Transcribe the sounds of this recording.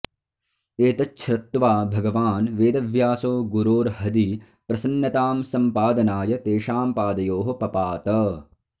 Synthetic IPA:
eːt̪ɐt͡ʃːʃʰɾɐt̪ːʋaːbʱɐɡɐʋaːnʋeːd̪ɐʋjaːsoːɡuɾoːɾɦɐd̪i | pɾɐsɐnːɐt̪aːmsɐmpaːd̪ɐnaːjɐt̪eːʃaːmpaːd̪ɐjoːɦɐ̆pɐpaːt̪ɐ

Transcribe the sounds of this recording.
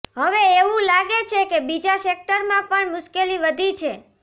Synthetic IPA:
ɦəʋeeʋũlaɡet͡ʃʰekebid͡ʒasek̚ʈəɾmãpəɳmʊʃkeliʋəd̪ʱit͡ʃʰe

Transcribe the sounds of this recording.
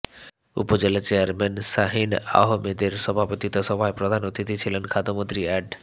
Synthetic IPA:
ṵpod͡ʑelat͡ɕejaɾmɛnsaɦina̰ɦomed̪eɾsɔbʱapot̪it̪ɔsɔbʱaepɾod̪ʱanot̪ʰit̪it͡ɕʰilenkʰad̪ʱomõnt̪ɾiɛɖ

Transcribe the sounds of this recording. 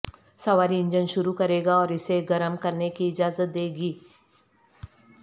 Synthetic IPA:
sɐʋaːɾiɪ̃ɲd͡ʒənʃʊɾukɐɾeːɡaɔːɾɪseɡɐɾəmkɐɾnekiɪd͡ʒaːzət̪̚d̪eːɡiː

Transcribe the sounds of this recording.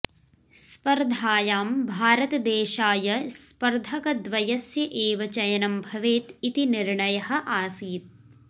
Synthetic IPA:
spɐɾd̪ʱaːjaːmbʱaːɾɐt̪ɐd̪eːʃaːjɐspɐɾd̪ʱɐkɐd̪ʋɐjɐsjɐʔeːʋɐt͡ʃɐjɐnɐmbʱɐʋeːt̪it̪iniɾɳɐjɐhɐ̆ʔaːsiːt̪̚

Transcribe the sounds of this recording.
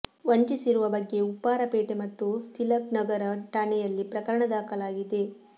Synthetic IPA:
ʋɐɲt͡ʃisiɾuʋɐbɐɡːe̞upːaːɾɐpeːʈemɐt̪ːut̪ilɐknɐɡɐɾɐʈɐɳɛjɐlːipɾɐkɐɾɐɳɐd̪aːkɐlaːɡid̪e̞

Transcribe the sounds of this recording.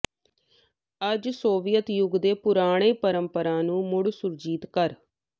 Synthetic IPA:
əd͡ʒsoːʋɪjət̪jʊɡd̪eːpʊɾaːɽ̃eːpəɾəmpəɾãːnũːmʊɽsʊɾd͡ʒiːt̪kəɾ

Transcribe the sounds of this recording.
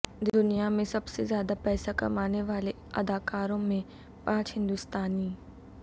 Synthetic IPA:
d̪ʊnijamẽsɐbsezjaːd̪apɛːsakɐ̰maːneʋaːle | ɐ̰d̪aːkaːɾõmẽ | pãːt͡ʃɦɪ̃nd̪ʊst̪aːniː

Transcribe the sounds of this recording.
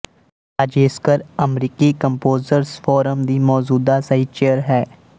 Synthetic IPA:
d͡ʒeːskəɾəmɾiːkikə̃mpoːzəɾsfʰɔːɾəmd̪iːmɔːd͡ʒuːd̪asəɦiːt͡ʃeːəɾɦɛː

